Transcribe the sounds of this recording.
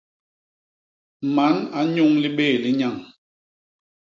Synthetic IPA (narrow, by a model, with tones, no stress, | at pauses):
ma˨˦na˨˦ɲu˦ŋli˦ɓeː˦˨li˦ɲa˦˨ŋ